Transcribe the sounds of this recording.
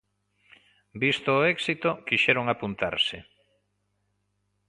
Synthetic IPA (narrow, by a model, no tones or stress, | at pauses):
bist̪oːɛksit̪okiʃɛɾoŋapunt̪a̰ɾsɪ